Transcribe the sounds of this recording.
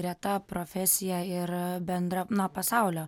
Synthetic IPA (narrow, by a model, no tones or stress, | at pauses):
ɾʲiɛt̪ɐpɾoːfʲɛsʲɪjɛɪɾbʲɛnd̪ɾɐnɐpɐsɑˑʊlʲoː